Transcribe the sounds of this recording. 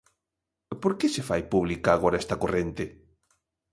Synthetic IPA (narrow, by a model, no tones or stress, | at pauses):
poɾkesefajpuβlikaːɣ̞oɾaest̪akorent̪e